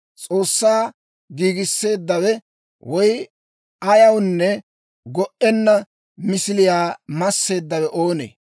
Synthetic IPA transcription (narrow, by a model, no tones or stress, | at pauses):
t͡sʼo̞ːsːaː | ɡiːɡɪsːe̞ːd̪ːɐwɛ | wɔj | ɐjɐwnːɛ | ɡɔʔɛnːɐ | mɪsɪlɪjaːmɐsːe̞ːd̪ːɐwɛʔoːnḛː